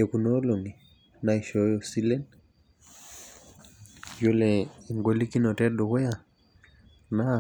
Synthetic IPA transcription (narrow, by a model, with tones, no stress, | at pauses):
ɛ˨ku˨nɔ˦lo˨ŋi˨ | nai˨ʃɔ˨˦jɔ˨si˦lɛ˦n | d͡ʒo˦lɛiŋɡo˦li˦ki˦nɔtɛ˦ɗo˨kɔ˦ja˨ | na˨